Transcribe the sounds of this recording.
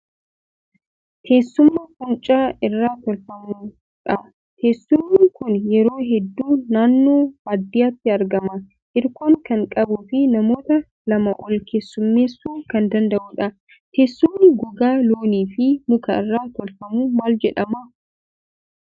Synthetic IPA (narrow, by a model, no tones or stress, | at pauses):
t̪ʰe̞ːsːʊmːɐkʼʊnt͡ʃʼaːɪrːaːt̪ɔlfɐmuː | ᶑɐ | t̪ʰe̞ːsːʊmːɪkʊnjɛɾo̞ːɦɛd̪ːuːnaːnːoːbaːd̪ːɪjaːt̪ːɪɐɾɡɐmɐ | ʔɪɾkoːŋkɐŋkʼɐbuːfɪnɐmo̞ːt̪ɐ | lɐmɐʔɔlkʰe̞ːsːʊmːe̞ːsːuːŋkɐnd̪ɐnd̪ɐʔuːᶑɐ | t̪ʰe̞ːsːʊmːɪɡɔɡaːloːniːfɪmʊkɐ̰ɪ̰rːaːt̪ɔlfɐmuːmaːld͡ʒɛᶑɐmɐ